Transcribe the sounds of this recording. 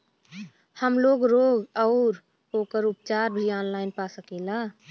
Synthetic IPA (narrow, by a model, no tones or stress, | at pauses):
həmloːɡɾoːɡɔːʊɾ | oːkəɾʊpt͡ʃaːɾbʱiɔːnlaːɪnpaːsəkeːlaː